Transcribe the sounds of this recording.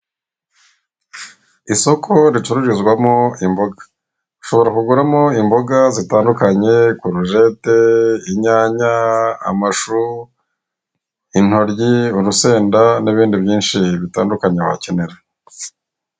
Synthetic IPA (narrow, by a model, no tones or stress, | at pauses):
iso̞kʰo̞ɾit͡ʃuɾuɾizɡwamoimbo̞ɡḁ | uʃo̞βo̞ɾakuɡuɾamo̞imbo̞ɡazitaːndukaɲe̞kuɾuʒe̞te̞iɲaːɲa̰ːmaʃu | in̥ho̞ɾɟiuɾuse̞ːndaniβiːndiβjiːnʃiβitaːndukaɲeβa̰ceneɾe